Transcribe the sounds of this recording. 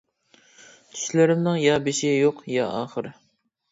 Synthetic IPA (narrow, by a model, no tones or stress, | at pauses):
t͡ʃ̪ʰy̥ʃlɪɾɪmnɪŋjɑːbɪʃɪjoqjɑʔɑːχəɾ